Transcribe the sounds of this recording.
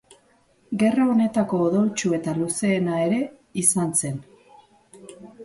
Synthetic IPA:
ɡe̞raone̞t̪ako̞ːðowt͡ʃue̞t̪aluse̞ːnae̞ɾe̞ | isanse̞n

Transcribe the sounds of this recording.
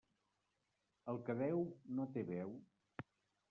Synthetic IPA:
əlˠkəβɛwnot̪eβɛw

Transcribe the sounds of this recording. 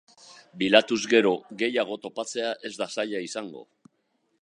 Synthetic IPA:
bilat̪uzɣe̞ɾo̞ɣe̞jaɣ̞o̞t̪o̞pat͡se̞aʔe̞zd̪asaʎaisaŋɡo̞̰

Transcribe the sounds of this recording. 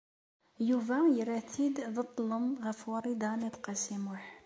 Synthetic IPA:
juvæjɾæt̪ʰid̪ðət̪ˤːləmɣæfwɑɾˤid̪ɑnid̪qɑsimʊħ

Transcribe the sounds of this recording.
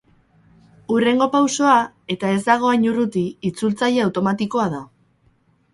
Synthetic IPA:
ure̞ŋɡo̞pawso̞a | e̞t̪ae̞zd̪aɣ̞o̞aɲurut̪iːt͡sult͡saʎe̞awt̪o̞mat̪iko̞aða

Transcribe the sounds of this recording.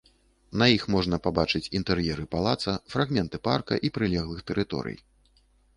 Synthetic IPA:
nɐjixmɔʐnɐpabat͡ʂɨt͡sʲint̪ɛɾjɛɾɨpalˠat̪sɐfɾaɣmʲɛnt̪ɨparkɐ̰ʔipɾɨlʲɛɣlˠɨxt̪ɛɾɨt̪ɔ̰ɾɨ̰j

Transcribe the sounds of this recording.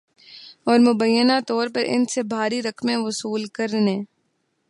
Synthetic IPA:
ɔːɾmʊbəjːənat̪ɔːɾpɐɾɪ̰nsebʱaːɾiɾɐkmẽʋʊsuːlkɐɾnẽː

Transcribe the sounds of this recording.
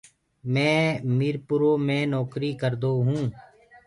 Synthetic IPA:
mɛ̃ːmiɾpʊɾoːmẽːnɔːkɾiːkəɾd̪oːɦũː

